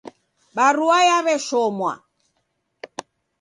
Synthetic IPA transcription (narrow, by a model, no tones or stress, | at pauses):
baruajaβɛʃɔmwa̰